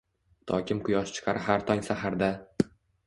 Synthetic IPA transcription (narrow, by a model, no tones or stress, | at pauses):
t̪ʰɒ̰kʲɪmqʰʊjɒʃt͡ʃʰɪ̥qʰɑɾʔɪɦaɾt̪ʰɒŋsahaɾd̪a